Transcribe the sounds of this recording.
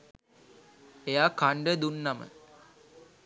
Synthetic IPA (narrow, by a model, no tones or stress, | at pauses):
ejaːkaɳɖed̪unːamə̰